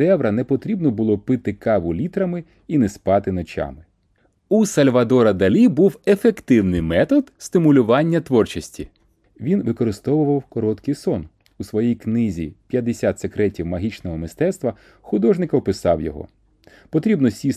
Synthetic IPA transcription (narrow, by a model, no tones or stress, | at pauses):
ɛʋɾɐnɛpɔt̪ɾʲibnɔbʊlˠɔpɪt̪ɪkɑʋʊlʲit̪ɾɐmɪ | inɛspɑt̪ɪnɔt͡ʃʲɑ̰mɪ | usɐlʲʋɐd̪ɔɾɐd̪ɐlʲibuwefekt̪ɪwnɪjmɛt̪ɔd̪st̪ɪmʊlʲʊʋɑnʲːɐt̪ʋɔrt͡ʃɐsʲtʲi | ʋʲinʋɪkɔɾɪst̪ɔʋʊʋɐwkɔɾɔt̪kɪjsɔn | usʋɔjijknɪzʲḭpʲjɐd̪esʲat̪sekɾɛtʲiwmɐɦʲit͡ʃnɔɦɔmɪst̪ɛt̪st̪ʋɐ | xʊd̪ɔʒnɪkɐɔpɪsɑ̰wjɔ̰ɦɔ̰ | pɔt̪ɾʲibnɔsʲi